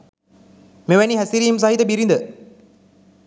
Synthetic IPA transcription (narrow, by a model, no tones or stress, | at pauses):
meʋæniɦæsiɾiːms̬aɦit̪əbiɾind̪ə